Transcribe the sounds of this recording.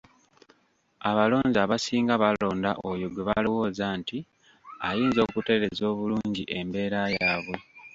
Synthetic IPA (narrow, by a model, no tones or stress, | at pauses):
aβalo̞ːɲzaβasiːŋɡaβalo̞ːndaʔojo̞ɡweβalowo̞ːzaːnti | ajiːnzo̞ːkute̞ɾe̞zo̞ːβuluːɲɟiʔe̞mbe̞ːɾajaβwe̞